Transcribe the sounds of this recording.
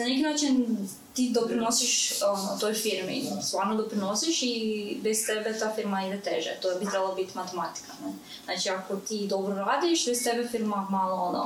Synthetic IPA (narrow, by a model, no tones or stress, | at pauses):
nanekinaːt͡ʃin | t̪id̪opɾinosiʃonot̪ojfiɾmḭst̪ʋaːɾnod̪opɾinosiʃibest̪ebet̪aːfiɾmaid̪et̪eʒɛ̰t̪ojbit̪ɾebalabit̪imat̪emat̪i̥kane | naːt͡ʃiakot̪iːd̪o̞bɾoɾaːd̪iʃbest̪ebefiɾmamaːlˠoono̰